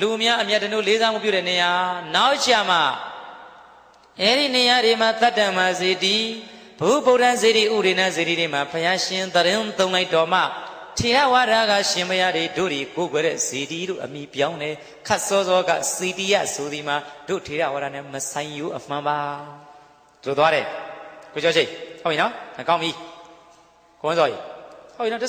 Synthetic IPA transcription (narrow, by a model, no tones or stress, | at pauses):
lumjaʔəmjatːəno̰lezamṵpjuɾɛnejanaʊʔt͡ɕama̰ | ʔɛɾḭnejaɾemat̪atãmbazed̪i | bəṵpoʊ̃tãzeɾḭʔṵbɾenãzeɾiɾem̥apʰəjaʃɪ̃nd̪əɾɪ̃t̪õʊ̃laɪtɔm̥a̰ | tʰeɾa̰waɾaɣa̰ʃɪ̃mpʰəjad̪ido̰d̪ikoɡwɛɾɛ̰z̥ediɾo̰ʔəmjipjãʊ̃nɛ | kʰat̚sɔzɔɡa̰setija̰soðimad̥o̰tʰeɾa̰waɾanɛ̰̃məsãɪ̃joʔəm̥ãmba | d̪ɾot̪waɾɛkoɔʃʰẽhopːinɔ̃kãʊ̃mi | koɪ̃zɔḭhopinɔ